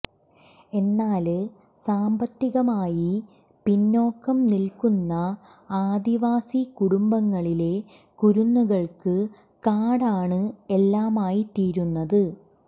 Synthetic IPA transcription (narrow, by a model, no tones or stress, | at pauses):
e̞nːaːl | saːmbɐt̪ːiɣɐmaːji | pinːo̞ːkːɐmnilkunːɐ | aːd̪iʋaːsikuɽumbɐŋːɐɭile̞ | kuɾunːuɣɐɭkɨ | kaːɽaːɳɨelːaːmaːjit̪iːɾunːɐðɨ